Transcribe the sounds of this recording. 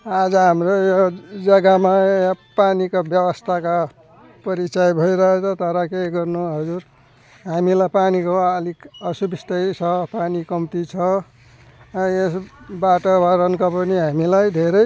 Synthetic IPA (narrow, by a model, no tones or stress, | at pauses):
ad͡zʌɦamrojod͡zʌɡamapanikobjʌbʌst̪ʰaka | pʌɾit͡sajbʱʌjɾʌɦet͡sʰʌt̪ʌɾʌkeɡʌrnuɦʌd͡zuɾ | ɦamilajpanikoʌlikʌsubist̪ʌjt͡sʰʌpanikʌmt̪it͡sʰʌ | esbaʈʌbʱaɾʌnkapʌniɦamilajd̪ʱeɾʌj